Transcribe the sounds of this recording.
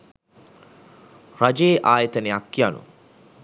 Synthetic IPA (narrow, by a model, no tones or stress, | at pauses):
rad͡ʒeːʔaːjət̪ənejakːijanṵ